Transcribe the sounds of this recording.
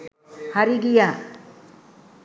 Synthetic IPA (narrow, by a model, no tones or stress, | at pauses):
haɾiɡija